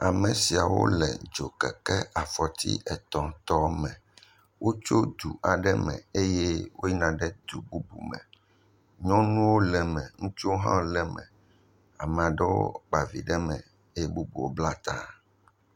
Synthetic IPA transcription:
a˨mɛ˨si˨a˨wo̰˦lɛ̰˨d͡ʒo˨kɛ˨kɛ˦ʔa˨fɔ˨t̪ḭ˦ʔɛ˨t̪ɔ̃˨t̪ɔ˦mɛ̃˨ | wʔo˦t͡ʃo˦d̪u˨ʔa˨ɖɛ˦mɛ̰̃˨e˦jɛ˦wo˦ji˦nã˨ɖɛ˦d̪u˨bu˦bu˨mɛ̰̃˨ | ɲɔ̃˦nũ˦wo˦lɛ˨mɛ̃˨ŋũ˦t͡ʃo˦ɦã̰˦lɛ˨mɛ̰̃˨ | a˨mɛ̃˨a˨ɖɛ˦wo̰˦k͡pa˨vi˨ɖɛ˦mɛ̰̃˨ | e˦je˦bu˦bṵ˨wo˦bla˦t̪a̰˦

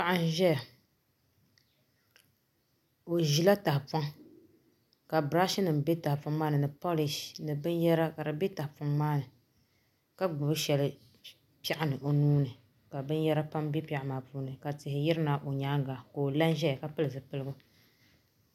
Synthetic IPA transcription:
pa˦˨ʔa˦n˦ʒɛ˦ja˨ | o˨ʒi˦la˦ta˨hpa˦ŋ | ka˨bɾa˦ʃɪ˦nɨ˨mbe˦ta˨hɪ˨pa˦mmaː˦nɨ˨nɨ˨po˦li˨ʃnɨ˨bɨ˦njɛ˦ɾa˦ka˨ɾɨ˨be˦ta˨hpa˦mmaː˦nɨ˨ | ka˦ɡ͡bʊ˨bɨ˦ʃɛ˨lɨ˦ | pa˦ʔɪ˦nɨ˨ʔo˨nuː˦nɨ˨ | ka˨bɨ˦njɛ˦ɾa˦pa˦mbe˦pa˨ʔa˦˨maː˨puː˦nɨ˨ka˨tɪ˨hɪ˨jɪ˦ɾɨ˦na˨ʔo˨ɲaː˦ŋɡa˨ko˨la˦n˦ʒɛ˦˨ka˨pɨ˦lɨ˨vɨ˨pɨ˦lɨ˦ɡʊ˦

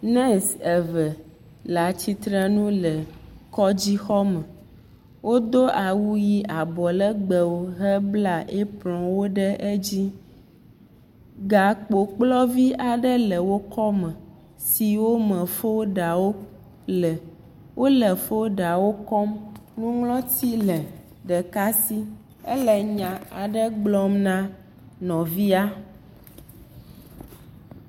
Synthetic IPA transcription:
nɛ̃˦sɛ˨və˨ | la˨t͡ɕi˦t̪ɾɛ˦nũ˦lə˨kɔ˦d͡ʑi˦xɔ˦mə̃˨ | wo˦d̪o˦ʔa˨wu˦ji˦ʔa˨bɔ˨lə˦ɡ͡bə˨wo˦ɦɛ˦bla˦ʔe˦plɔ̃˨wo˦ɖɛ˦ʔe˦d͡ʑi˦ | ɡa˨k͡po˨k͡plɔ˦vi˦ʔa˨ɖɛ˦lə˨wo˦kɔ˦mɛ̃˨ | si˨wo˦mɛ̃˨fo˦ɖa˨wo˦ | lɛ˨ | wʔo˦lɛ˨fo˦ɖa˨wo˦kɔ˦mnũ˦ŋlɔ̃˦t̪i˦lɛ˨ | ɖɛ˨ka˦si˦ | ɛ˦lɛ˨ɲã˨a˨ɖɛ˦ɡ͡blɔ˦mnã˦ | nɔ̃˨vi˦a˦

